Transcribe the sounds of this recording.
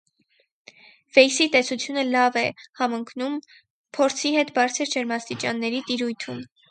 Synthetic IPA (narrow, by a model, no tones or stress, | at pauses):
vɛjsit̪ɛsut͡sʰjunəlɑvɛhɑməŋkʰnum | pʰɔɾt͡sʰiɦɛt̪bɑɾt͡sʰəɾd͡ʒəɾmɑst̪it͡ʃɑnːɛɾit̪iɾujt̪ʰum